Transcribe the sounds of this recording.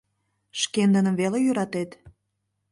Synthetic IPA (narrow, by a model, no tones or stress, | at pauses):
ʃkend̪ənə̆mvelejyɾɑt̪et̪